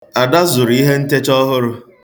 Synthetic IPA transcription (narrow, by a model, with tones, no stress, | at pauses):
a˨da˦zʊ˨ɾi˦ɦe˦n̩˦te˦t͡ʃɔ˦ɦʊ˦ɾʊ˦